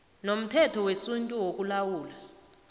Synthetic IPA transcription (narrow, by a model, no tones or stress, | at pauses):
nom̩tʰɛtʰɔwesuntʼuwok̬ʼulawuːla